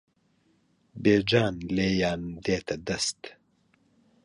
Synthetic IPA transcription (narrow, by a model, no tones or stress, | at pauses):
beːd͡ʒaːnleːjaːnd̪eːt̪ɐd̪ɐst̪